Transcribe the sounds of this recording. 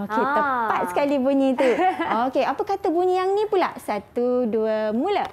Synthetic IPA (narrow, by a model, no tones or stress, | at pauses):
oket̪əpat̪̚sə̥kalibuɲĩt̪uokeapakat̪abuɲiaŋnĩpulaʔsat̪uduəmula